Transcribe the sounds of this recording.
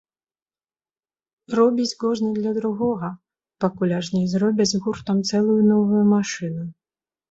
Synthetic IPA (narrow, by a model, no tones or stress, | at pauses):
rɔbʲit͡sʲɡɔʐnʲid̪lʲɐd̪ɾʊɣɔɣɐ | pɐkʊlʲaʒnʲijzrɔbʲɐd͡zʲzɣurt̪ɐmt̪sɛlˠʊjʊnɔʋʊjʊmaʃɪnʊj